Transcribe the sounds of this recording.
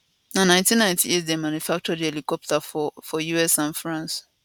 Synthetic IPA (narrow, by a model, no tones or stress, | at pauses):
nãnãɪ̃ntĩnãɪ̃ntʰiizdemãnjufak̚t͡ʃɔdielikɔp̚tafɔfɔjuɛsãnfɹãns